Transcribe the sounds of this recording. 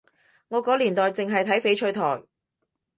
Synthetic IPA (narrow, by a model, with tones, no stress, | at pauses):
ŋɔː˨˧kɔː˨˥liː˨˩nt̪ɔː˨jt͡sɪ˨ŋɦɐ˨jt̪ʰɐ˨˥jfe˨˥jt͡ʃʰɵ˧ɥt̪ʰɔː˨˩j